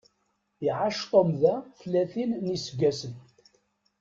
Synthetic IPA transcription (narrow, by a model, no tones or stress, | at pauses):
iʕaʃt̪ˤomðæθlːæθinːisəɡæsən